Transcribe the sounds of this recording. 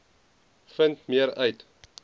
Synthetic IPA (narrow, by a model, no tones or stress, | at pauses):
fəntmiəɾœɥt